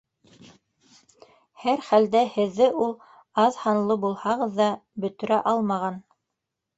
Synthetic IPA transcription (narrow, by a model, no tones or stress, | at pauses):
hæɾχæld̪æhɘ̆ðːɘʔulˠ | ɑðhɑnlˠɤbulˠhɑʁɤðːɑbɵ̆t̪ɵ̆ɾæʔɑlˠmɑʁɑn